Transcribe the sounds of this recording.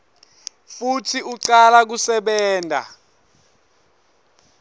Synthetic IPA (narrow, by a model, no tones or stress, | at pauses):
futʰiuǀalak̬usɛɓɛːndʱa̰